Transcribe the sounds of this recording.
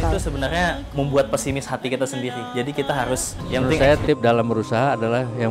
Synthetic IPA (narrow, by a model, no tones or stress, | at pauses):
usəbənarɲa | məmbuat̪̚pɛsimɪshat̪ikit̪asəndiɾid͡ʒadikit̪aɦaɾʊs | jaənɪsajat̪ɪp̚dalambəɾusaɦaːdalahja